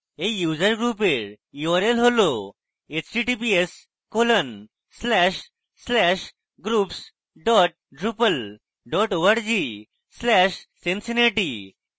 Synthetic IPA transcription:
ejud͡ʑəɾɡɾup̬eɾ | juəɾelɦolo | et͡ɕʈiʈip̬ies | kolən | slɛɕ | slɛɕ | ɡɾups | ɖɔʈ̚ɖɾupəl | ɖɔʈoʋaɽd͡ʑi | slɛɕsensineʈi

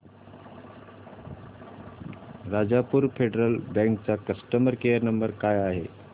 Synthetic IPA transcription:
ɾad͡zapuːɾfeɖɾəlbɛ̃ŋkt͡sakəsʈəməɾkejəɾnəmbəɾkajaɦe

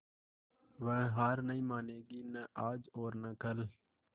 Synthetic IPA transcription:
ʋə̃ːɦaːɾnəĩːmaːneːɡiːnəʔaːd͡ʒoːɾnəkəl

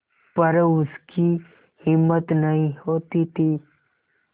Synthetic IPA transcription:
pɐɾʊski | hɪmːət̪nɐɦĩhoːt̪it̪ʰiː

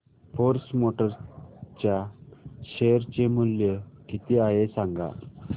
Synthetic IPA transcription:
foɾsmoʈəɾt͡ɕjaɕeɾt͡ɕemuljəkit̪iaɦesaŋɡa̰

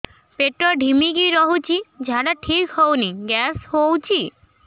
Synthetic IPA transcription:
peʈɾɔɖʱimiɡiɾɔɦut͡ɕid͡ʑʱaɖaʈʰikhowniɡɛshowt͡ɕʰi

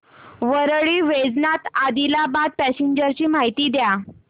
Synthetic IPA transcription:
ʋəɾɭiːʋed͡znat̪ad̪ilabad̪̚pæɕeɲd͡ʑəɾt͡ɕiːm̤aɦit̪iːd̪ja

